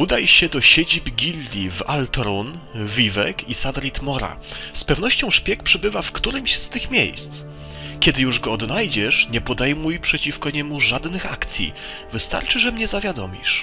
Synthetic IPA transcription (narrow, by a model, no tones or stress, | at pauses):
ud̪ajɕɛd̪ɔɕed͡ʑibɡʲilːʲivalt̪ɾunvʲivɛ̰kʰisad̪ɾʲit̪mɔɾa̰spɛvnɔɕt͡ɕɔ̃w̃ʂpʲjɛk̚pʂɛbɘvafkt̪uɾɘmɕst̪ɘxmʲjḛjst̪s | kʲɛd̪ɘjuʐɡɔɔd̪najd͡ʑɛʂɲɛpɔd̪ɛjmujpʂɛt͡ɕifkɔɲɛmuʐad̪nɘxakt̪sʲjḭ | vɘst̪a̰ɾt͡ʂɘʐɛmɲɛzavʲjad̪ɔmʲḭʂ